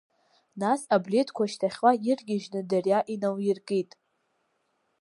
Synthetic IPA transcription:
nasabletʰkʷʰaʃtʰaχʲwajɪrɡʲɪʒnɨdarjaʔinawjɪrkʼejtʼ

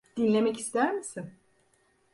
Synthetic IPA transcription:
d̪̥inlʲe̞mɛci̥st̪ʰæɾmisin

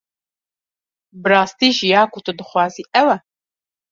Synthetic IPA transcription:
bɨɾaːst̪iːʒijaːkʰut̪ʰud̪ɨxʷɑːziːʔɛwɛ

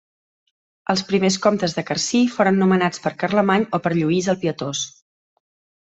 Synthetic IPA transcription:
əlˠspɾimeskɔmt̪əzðəkərsifoɾənːumənat͡spəɾkərləmaɲopəɾʎuizəlˠpiət̪os

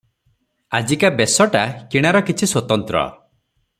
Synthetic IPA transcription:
ad͡ʒikabesɔʈakiɽ̃aɾɔkit͡ʃʰiswɔt̪ɔnt̪ɾɔ̰

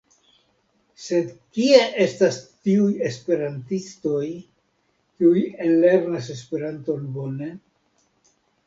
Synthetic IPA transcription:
se̞dkieʔe̞stastiuje̞spe̞ɾantisto̞j | kiujenle̞ɾnase̞spe̞ɾanto̞nbo̞ne̞

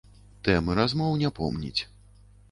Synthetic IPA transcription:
t̪ɛmɨɾazmɔwnʲɛpɔ̰mnʲḭt͡sʲ

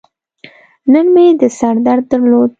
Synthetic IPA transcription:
nənmed̪əsaɾd̪aɾd̪ːəɾlod̪̚

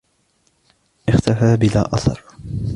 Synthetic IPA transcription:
ʔɪxt̪afaːbɪla̰ːʔɑθɑ̰ɾˤ

